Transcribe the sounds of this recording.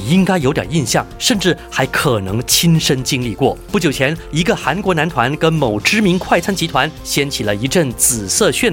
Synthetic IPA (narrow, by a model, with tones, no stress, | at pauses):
i˥ŋka˥ɪjo˧˥ʊt̪jɑ̰˨˩i˥˧nɕjɑ˥˩ŋʂə˥˧nʈ͡ʂɻ̩˥˩xa˧˥ɪkʰɤ˨˩nɤ˧˥ŋt͡ɕʰi˥nʂə˥nt͡ɕi˥˧nli˥˧kwɔ˥˩pu˥˩t͡ɕjo˨˩ʊt͡ɕʰjɛ˧˥ni˧˥ɡə˧xa˧˥nkwɔ˧˥na˧˥nt̪ʰwa˧˥nkə˥nmo˨˩ʊʈ͡ʂɻ̩˥mi˧˥nkʰwa˥˩ɪt͡sʰa˥nt͡ɕi˧˥t̪ʰwa˧˥nɕjɛ˥nt͡ɕʰi˨˩lə˦i˧˥ʈ͡ʂə˥˩ŋt͡sɹ̩˨˩sɤ˥˧ɕɥɛ˥˩n